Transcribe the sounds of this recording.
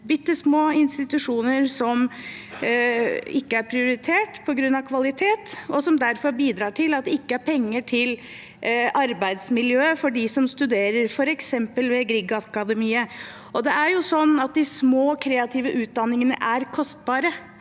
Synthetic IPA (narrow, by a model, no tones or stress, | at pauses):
bʏt̪ːəsmoːɪnst̪ɪt̪ʉʂuːnəɾsɔm | ɪkːəæɾpʰɾɪʊɾɪt̪ʰeːʈpʰɔɡɾʉnːɑʋkʰʋɑlɪt̪ʰeːt̪ɔsɔmd̪æɾfɔɾbiːd̪ɾɑːʈʰɪlɑt̪̚d̪ɛɪkːəæɾpʰɛŋːəʈʰɪl | ɑɾbæɪd̪smɪljøːfɔɖɪsɔmst̪ʉd̪eːɾəɾfɔɾɛksɛmpəlʋɛɡɾɪɡɑɑkɑd̪əmiːə | ʔɔd̪ɛʔæɾjʊsɔnːɑt̪̚d̪ɪsmoːkʰɾeːɑt̪ʰiːʋəʔʉːt̪̚d̪ɑnːɪŋənə̰ʔæɾkʰɔst̪̚bɑːɾə